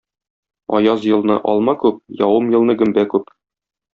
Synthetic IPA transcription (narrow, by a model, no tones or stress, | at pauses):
ɒ̰jɑzjɤ̆lˠnɤʔɒlˠmɑkʉp̚jɒwɤmjɤ̆lˠnɤɡɵ̆mbækʉp